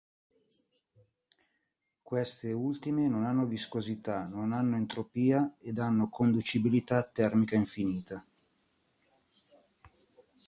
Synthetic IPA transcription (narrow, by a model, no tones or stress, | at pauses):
kwest̪eult̪imenonanːoviskozit̪anonanːoent̪ɾopiːaed̪anːokond̪ut͡ʃibilit̪at̪ːɛrmikaiɱfiniːt̪a